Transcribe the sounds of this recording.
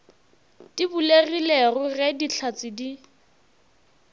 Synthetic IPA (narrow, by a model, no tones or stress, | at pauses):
tibulerilerʊrɛdit͡ɬʰat͡sɪdi